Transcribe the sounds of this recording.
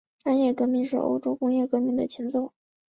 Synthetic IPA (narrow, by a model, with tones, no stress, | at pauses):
ʂa˥njɛ˥˩kɤ˧˥mi˥˧ŋʂɻ̩˥˩ʔo̰˥ʊʈ͡ʂo˥ʊkʊ˥ŋjɛ˥˩kɤ˧˥mi˥˩d̪ə̰˩t͡ɕʰi˧˥ŋt͡so˥˩ʊ